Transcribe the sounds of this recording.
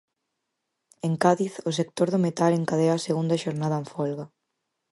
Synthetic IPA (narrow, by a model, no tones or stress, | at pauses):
eŋkaðiθʊs̬ek̚t̪oɾðʊmet̪aleŋkaðeaseɣund̪ɐʃoɾnaðɐeɱfɔlɣa